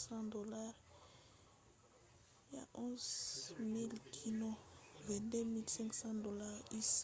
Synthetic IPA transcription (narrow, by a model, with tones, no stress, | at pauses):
sɑ̃˦d̪o˨la˦ʁ | ja̰˨ʔɔ̃˦zmi˦lkʰi˨nɔ̃˦vɛ̃˨de˦mi˦lsɛ̃˦ŋksɑ̃˦do˨la˦ʁi˦s